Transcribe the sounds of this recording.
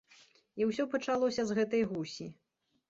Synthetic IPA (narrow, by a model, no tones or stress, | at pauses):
iwsʲɔpɐt͡ʂalˠɔsʲɐzɣɛt̪ɐjɣusʲi